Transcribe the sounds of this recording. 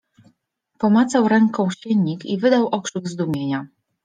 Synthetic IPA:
pɔmat̪sawɾɛŋkɔ̃w̃ɕɛɲːikivɘd̪awʔɔkʂɘɡzd̪umʲjeɲa

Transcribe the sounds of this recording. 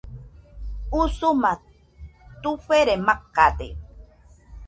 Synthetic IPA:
usuma | t̪uɸeɾemakːad̪ḛ

